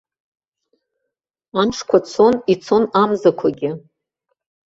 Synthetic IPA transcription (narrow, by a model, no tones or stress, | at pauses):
anʈ͡ʂʰkʷʰat͡sʰo̞nit͡sʰo̞namzakʷʰaɡʲɪ